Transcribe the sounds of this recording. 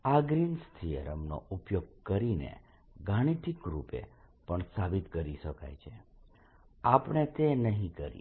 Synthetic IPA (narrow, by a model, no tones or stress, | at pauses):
aɡɾinst̪ʰijə̰ɾəmno̰ʔupjoɡ̚kəɾinḛ | ɡaɽ̃iʈ̪ʰikɾupḛpəɳsabit̪kəɾiʃəka̰jt͡ʃʰe | apɽ̃et̪enəɦĩkəɾḭ